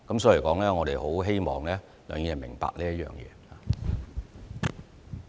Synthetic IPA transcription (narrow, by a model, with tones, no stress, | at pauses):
kɐ˨˥msɔː˨˥˨kɔː˨˥ŋlɛː˥ŋɔː˨˧ɾe˨jho˨˥wɦe˥jmɔː˨˩ŋlɛː˥ | lœː˨˧ŋjɛː˨˧mɪ˨˩ŋpa̰ː˧k̚liː˥ɐ˥jœ̰ː˨ŋjɛ̰ː˨˧haː˨